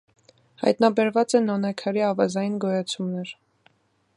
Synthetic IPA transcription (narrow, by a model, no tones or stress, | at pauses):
hɑ̰jt̪nɑbɛɾvɑt͡sɛnːɔnɑkʰɑɾiɑvɑzɑjinɡɔjɑt͡sʰumnɛɾ